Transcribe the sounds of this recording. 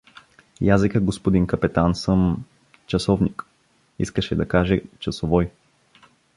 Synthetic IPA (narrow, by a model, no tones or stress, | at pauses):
jazikəɡospod̪inkɐpɛt̪ansəm | t͡ʃɐsɔvnik | iskəʃɛd̪ɐkaʒɛt͡ʃɐsovɔj